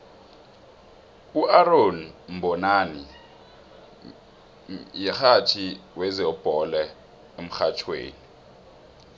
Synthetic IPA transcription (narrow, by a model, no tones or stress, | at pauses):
uʔaronm̩bʱɔnani | jɛxatʰiwɛzɛɔb̥ʼʱɔlɛ | em̩xat͡ʃʰwḛːni